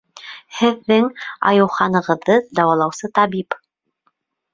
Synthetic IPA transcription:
hɘ̆ðːɘŋɑ̰jɤ̆wχɑnɤ̆ʁɤ̆ðːɤd̪ɑwɑlˠɑwsɤt̪ɑβip

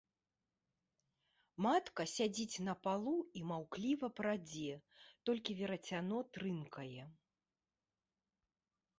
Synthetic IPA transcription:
mat̪kɐsʲad͡zʲit͡sʲnɐpalˠuimawklʲivɐpɾad͡zʲɛt̪ɔlʲkʲivʲɛɾɐt͡sʲanɔt̪ɾɨnkʰɐjɛ

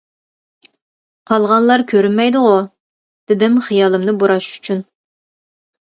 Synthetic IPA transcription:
qʰɑlˠʁɑnlˠɑɾkʲʰøɾynmɛjd̪ʊʁʊ | d̪̥ɪd̪ɪmχijɑlˠɨmnɨbuɾɑʃy̥t͡ʃʰyn

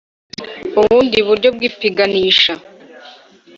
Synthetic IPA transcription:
uβuːndiβuɾɟo̞b̚ɡiːpiɡaniːʃa

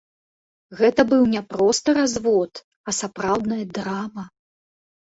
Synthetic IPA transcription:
ɣɛt̪ɐbɨwnʲɛpɾɔst̪ɐɾazvɔt̪ | ɐsapɾawd̪nɐjɐd̪ɾamɐ

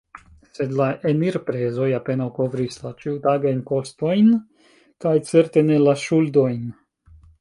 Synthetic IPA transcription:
se̞d̪laʔeniɾpɾezo̞jape̞nawko̞vɾislat͡ʃiutaɡajnko̞sto̞jn | kajt͡seɾt̪enelaʃuldo̞jn

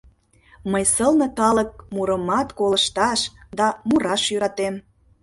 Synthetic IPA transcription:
məjsəlnə̆kɑlək̚muɾəmɑt̪koləʃt̪ɑʃd̪ɑmuɾɑʃjyɾɑt̪em

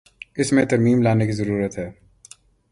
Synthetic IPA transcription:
ɪsmẽt̪ɐɾmiːmlaːnekizɐɾuːɾət̪ɦɛː

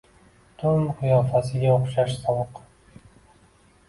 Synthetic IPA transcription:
t̪ʰʊmqʰʊjɒːfasɪɡʲaoχʃaʃsɒlˠɨq

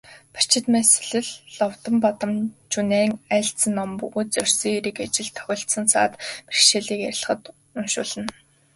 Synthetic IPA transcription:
pḁt͡ɕɪ̆t̪mese̥ɮɘ̆ɮːɔwt̪ə̆mpɔt̪ə̆mt͡ɕʰuneːŋæːɬt͡sɘ̆nːɔmpɵɣuːt͡sœrʲsiːɾĭːkat͡ɕɪ̆ɮt̪ʰːœ̥xʲɞ̆ɬt̪sə̆nsa̰ːt̪pirʃeːɮiːkæɾ̆ʲɮ̆χə̆t̪ | ʊmʃʊ̰ːɮə̆n

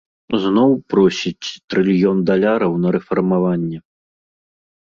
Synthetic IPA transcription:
znɔwpɾɔsʲit͡sʲt̪ɾɨlʲjɔnd̪alʲaɾɐwnɐɾɛfɐrmavanʲːɛ

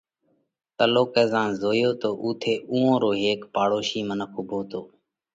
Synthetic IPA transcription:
t̪əloːkɛːzãːnzoːjoːt̪oːʔuːt̪ʰeːʔũːõːɾoːɦeːkpaːɽoːʃiːmənəkʰʊbʱoːt̪oː

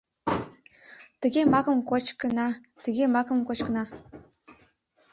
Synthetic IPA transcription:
t̪ə̆ɡʲemɑkɤ̆mkot͡ɕkə̆nɑ | t̪ə̆ɡʲemɑkɤ̆mkot͡ɕkə̆nɑ

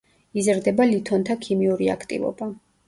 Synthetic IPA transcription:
izɾd̪ɛbalit̪ʰɔnt̪ʰakʰimiuɾia̰kʰt̪ʼḭvɔ̰ba

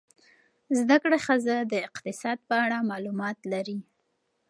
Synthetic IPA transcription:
zd̪akɽaxəzad̪əɪqt̪ɪsɑd̪̚pəaɽamɑlumɑt̪laɾi

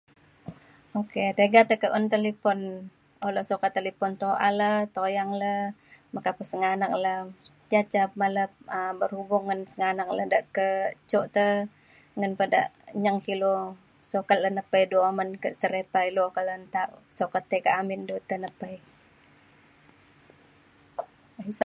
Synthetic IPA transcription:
oket̪eɡat̪əkəʔṵnt̪əlipɔn | olosokat̪ːəlipɔnt̪oʔa̰lət̪ojaŋləmakapəsəŋanak̚lə | d͡ʒat͡ʃapmaləp̚əbərhubʊŋːənsəŋanaŋ̚lədaʔkət͡ʃɔʔt̪ə | ŋənpəda̰ʔɲəŋkilo | sokat̪̚lənəpəjduamənkəʔsəɾepailuokalənt̪aʔsokət̪ekəamɪndut̪ənəpəj

